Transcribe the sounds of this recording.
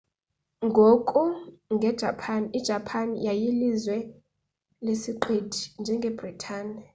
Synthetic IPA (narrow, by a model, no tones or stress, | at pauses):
ŋɡʱokʼuŋɡʱɛd̥ʒ̥ʱapʰaniid̥ʒ̥ʱapʰanḭjajilizwɛ | lesiǃed̥ʱind͡ʒʱɛŋɡʱɛb̥ritʰaːni